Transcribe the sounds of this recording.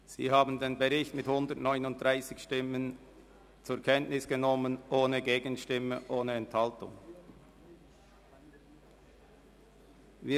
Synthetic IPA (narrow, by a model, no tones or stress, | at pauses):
z̥ḭːɦaːbən̩deːnbəʁɪçtmɪthʊndətnɔʏnʊnt̚d̥ʁaɪsɪçʃtɪmən | t͡sʊːɐkʰɛntnɪsɡ̥ənɔmənʔoːnəɡeːɡənʃtɪməʔoːnəɛnthaltʊ̰ŋ | viː